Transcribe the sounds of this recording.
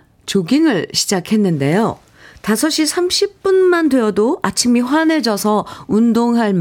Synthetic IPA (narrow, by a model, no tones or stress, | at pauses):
t͡ɕoɡiŋɯɭɕʰid͡ʑakʰe̞nːɯnde̞jo | tasʰʌɕ͈isʰamɕʰip̚p͈unmandejʌdoat͡ɕʰimiɸwane̞d͡ʑʌsʰʌundoŋɦaɭm